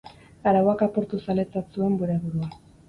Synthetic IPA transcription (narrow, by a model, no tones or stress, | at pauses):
aɾawakapo̞ɾt̪usale̞t͡sasue̞mbuɾe̞βuɾua